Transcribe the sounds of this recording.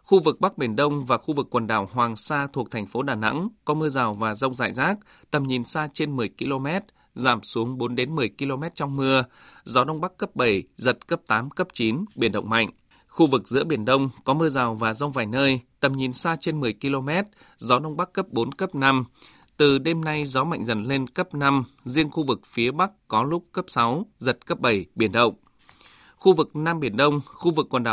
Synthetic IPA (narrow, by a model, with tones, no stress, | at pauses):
xu˧vɨ˨˩k̚ɓa˦˥k̚ɓi˧˩ənɗə˧wŋ͡mvaː˨˩xu˧vɨ˨˩kːwə˨˩nɗaː˧˩whwaː˨˩ŋsaː˧t̪ʰu˨˩ək̚t̪ʰɛ˨˩ŋ̟fo˨˦ɗaː˨˩na̰˧˥ŋkɔ˨˦mɨ˧əzaː˨˩wvaː˨˩zə˧wŋ͡mza̰ː˧˨jzaː˦˥k̚ | t̪ə˨˩mɲi˨˩nsaː˧t͡ɕe˧nmɨ˨˩əjki˧lo˧mɛ˦˥t̚ | zaː˧˩msu˨˦əŋɓo˨˦nɗe˨˦nmɨ˨˩əjki˧lo˧mɛ˦˥t̚t͡ɕɔ˧wŋ͡mmɨ˧ə | zɔ˨˦ɗə˧wŋ͡mɓa˦˥kːə˦˥p̚ɓə˧˩jzə˨˩t̚kə˦˥p̚t̪aː˨˦mkə˦˥p̚t͡ɕi˨˦nɓi˧˩ənɗə̰˧˨wŋ͡mma̰˧˨jŋ̟ | xu˧vɨ˨˩k̚zɨ̰˧˥əɓi˧˩ənɗə˧wŋ͡mkɔ˨˦mɨ˧əzaː˨˩wvaː˨˩zə˧wŋ͡mvaː˨˩jnəː˧jt̪ə˨˩mɲi˨˩nsaː˧t͡ɕe˧nmɨ˨˩əjki˧lo˧mɛ˦˥t̚ | zɔ˨˦ɗə˧wŋ͡mɓa˦˥kːə˦˥p̚ɓo˨˦nkə˦˥p̚na˧m | t̪ɨ˨˩ɗe˧mna˧jzɔ˨˦ma̰˧˨jŋ̟zə̰˧˩nle˧nkə˦˥p̚na˧m | zi˧ənxu˧vɨ˨˩k̚fi˨˦əɓa˦˥k̚kɔ˨˦lʊ˦˥k͡p̚kə˦˥p̚sa˨˦wzə˨˩t̚kə˦˥p̚ɓə˧˩jɓi˧˩ənɗə̰˧˨wŋ͡m | xu˧vɨ˨˩k̚na˧mɓi˧˩ənɗə˧wŋ͡mxu˧vɨ˨˩kːwə˨˩nɗaː˨